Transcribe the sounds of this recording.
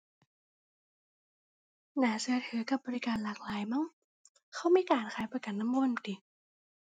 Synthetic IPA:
naː˨˩˦sɯ˨˧˦ɐt̪ʰɯː˩˦ka˧˩p̚bɔː˧ɾi˦˧kaː˨nlaː˨˩k̚laː˨˦jma˧˥˨ŋ | kʰa˧˥˩wmiː˧˥˨kaː˨nkʰaː˨˦jpa˧ka˨˩nːa˧˥mwo˧˥˨nt̪i˨˩

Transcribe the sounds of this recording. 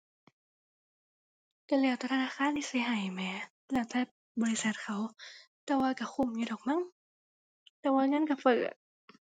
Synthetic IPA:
ka˧˩li˧˩əwt̪ɛː˧˩t̪ʰa˧naː˧˥˨xʰaː˧˥˨nt̪ʰiː˧˩si˧˦ɦa˨˩jmɛː˧˦ | lɛː˧˩wt̪ʰɛː˧˥˩ | bɔː˧li˧sa˨˩t̪̚kʰa˧˦˨w | t̪ɛː˧˩waː˧ka˧˩xʰu˧˩˨mjuː˧˦ɾɔː˨˩k̚ma˧˥˨ŋ | t̪ɛː˧˩waː˧ŋa˧˥˨nka˧˩fɤː˨˩t̪̚

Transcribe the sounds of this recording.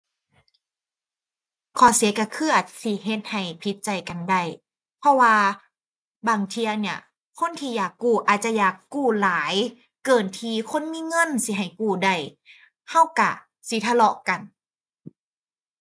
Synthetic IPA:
kʰɔː˧˩si˨˦ka˧˩kʰɯ˧˩ɐət̪̚si˧˦ɦe˧˦t̪̚ha˨˩jpʰi˧˦t̪̚t͡ɕa˨˩jka˨˩nda˧˩j | pʰɔ˧waː˧ | baː˨˩ŋt̪ʰi˧ɐni˧˩ɐ | kʰo˧˥˨nt̪ʰiː˧˨jaː˨˩kːuː˧˩ʔaː˨˩t̪̚t͡ɕa˧˦jaː˨˩kːuː˧˩laː˨˦j | kɤː˧˨˩nt̪ʰiː˧kʰo˧˥˨nmiː˧˥˨ŋɤ˧˥˨nsi˧˦ɦa˨˩jkuː˧˩da˧˩j | ha˧˥˩wka˧˩ | si˧˦t̪ʰa˧lɔ˧ʔka˨˩n

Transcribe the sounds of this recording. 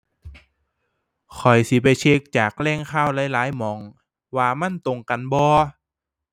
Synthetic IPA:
kʰɔ˨˩jsi˨˧˦p̬a˨jt͡ɕʰeː˧˥k̚t͡ɕaː˨˩k̚lɛː˧˥˩ŋkʰaː˧˩˨wlaː˨˥˦jlaː˨˦jmɔː˨˦ŋ | waː˧ma˧˥˨nt̪o˧ŋka˧˨nbɔː˧

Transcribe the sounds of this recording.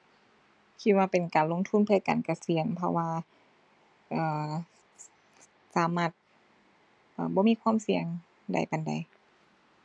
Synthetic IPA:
kʰi˧t̪̚waː˧pe˨˩nkaː˨˩nlo˧˨ŋt̪ʰu˧˥˨npʰɯ˥˩ɐkaː˨˩nka˨˧˩si˨˩˦ənpʰɔ̰˧waː˧ | ʔɤː˨˧˩ | saː˨˦maː˧˥˩t̪̚ | ʔɤː˧˩bɔː˧˦miː˧˥˨kʰwaː˧˥˨msi˧əŋ | da̰˨˩jpa˨nda̰˨˩j

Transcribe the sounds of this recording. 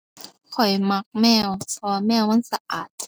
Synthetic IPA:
kʰɔ˨˩jma˧k̚mɛː˧˥˩wsʰɔː˧mɛː˧˥˩wma˧˥˨nsa˧ʔaː˨˩t̪̚

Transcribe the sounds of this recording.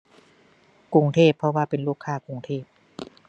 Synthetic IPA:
ku˧ŋt̪ʰeː˥˩pʰːɾɔ˧waː˧˩pe˨nluː˧˩kʰːaː˧˩ku˧ŋt̪ʰeː˥˩p̚

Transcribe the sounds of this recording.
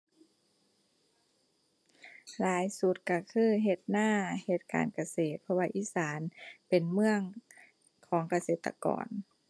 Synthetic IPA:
laː˨˦jsu˧˦t̪̚ka˧˩kʰɯː˧˩˨ɦe˧˩t̪̚naː˧˥˩he˧˩t̪̚ka̰ː˨˩nka˧˨seː˨˩t̪̚pʰɔ˧waː˧ʔiː˧˨saː˨˦npe˨˩nmɯ˧əŋ | kʰɔː˩˦ŋka˧seː˨˩t̪ːa̰˧kɔ̰ː˨˩n

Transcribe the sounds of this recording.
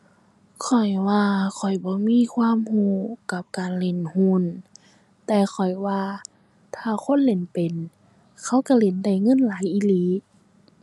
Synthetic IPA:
kʰɔ˨˩jwaː˧kʰɔ˨˩jbɔː˧˦miː˧˥˨kʰwaː˧˥˨mhuː˧˥˩ka˧˦p̚kaː˨nle˧˩˨nhuː˧˨n | t̪ɛː˧xʰɔ˨˩jwaː˧ | t̪ʰaː˧˩kʰo˧˥˨nle˨˧˦npe˨n | kʰa˧˩˨wka˧˩le˧˩nda˧˩jŋɤ˧˥˨nlaː˨˦jʔi˧˨liː˧˦

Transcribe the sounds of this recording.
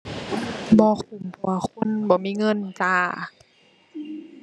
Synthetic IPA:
bɔː˧˦kʰu˨˩mpʰu˧˩a˧˩kʰu˧˥˨nbɔː˧˦miː˧˥˨ŋɤ˧˥˨nt͡ɕaː˧˩

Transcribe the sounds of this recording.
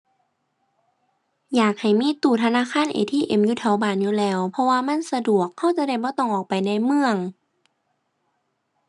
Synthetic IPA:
jaː˨˩k̚ha˨˩jmiː˧˥˨t̪uː˨˩t̪ʰa˧naː˧˥˨kʰaː˧˥˨nʔḛː˨˧t̪ʰiː˧˥˨ʔe˨˩˦mjuː˧t̪ʰɛ˨˦wbaː˨˩njuː˧˨lɛː˧˩wpʰɔ˧waː˧ma˧˥˨nsa˧du˨˩əkhːa˧˥˩wt͡ɕa˧˦da˧˩jbɔː˧˦t̪ɔ˧˩ŋʔɔː˨˩k̚pa˨˩jna˧˥˩jmɯ˧əŋ

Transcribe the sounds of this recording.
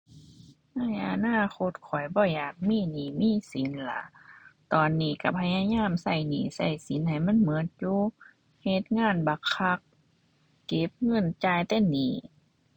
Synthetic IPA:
na˧˥˩jʔa˧naː˧˥˨xʰo˧t̪̚kʰɔ˨˩jbɔː˧˩jaː˨˩k̚miː˧˥˨niː˧˨˩miː˧˨si˨˦nla˧˦t̪ɔː˨nːiː˧˩ka˧˩pʰa˧ja˧˨ɲaː˧˥˨msa˧˩jniː˧˩sa˧˩jsi˨˦nha˨˩jma˧˥˨nmɤ˧˦t̪̚juː˧ | he˧t̪̚ŋaː˧˥˨nba˧˦kʰa˧˦k̚ː | e˧˦p̚ŋɤ˧˥˨nt͡ɕaː˧˨jt̪ɛ˧˥˨niː˧˩

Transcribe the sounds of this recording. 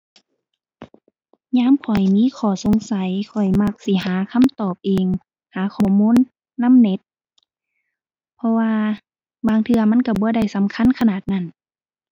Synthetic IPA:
ɲaː˧˥˨mkʰɔ˨˩jmiː˧˥˨kʰɔː˧˩so˨˧˦ŋsa˨˦jkʰɔ˨˩jma˧˩k̚si˧˦ɦaː˨˦kʰa˧˥˨mt̪ɔː˨˩p̚ʔeː˧˨ŋ | haː˨˦kʰɔː˨˩muː˧˥˨nː | a˧˥˨mne˧˦t̪̚ | pʰɔ˧waː˧ | baː˧˩ŋt̪ʰɯ˧ɐma˧˥˨nka˧˩bɔː˧˦da˧˩jsa˨˦mkʰa˧˥˨nkʰa˧naː˨˩t̪̚na˧˩˨n

